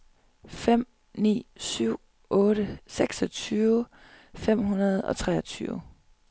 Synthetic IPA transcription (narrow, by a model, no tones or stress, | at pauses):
fem̰ | nḭːsyʊ̰ | ʔɔ̽ːɾəseɡ̥sɒ̽t͡sʰyːʊ | fem̰ɦunɐð̞̩ˠɒ̽t͡sʰʁɛ̰ɒt͡sʰyːʊ